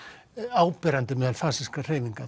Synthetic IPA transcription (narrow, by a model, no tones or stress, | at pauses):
aːwpɛɾant̪ɪmɛːðalfaːsiskar̥eːjðiŋka